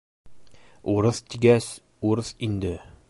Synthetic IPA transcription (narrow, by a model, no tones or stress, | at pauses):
uɾɤθt̪iɡæs | uɾɤθind̪ɘ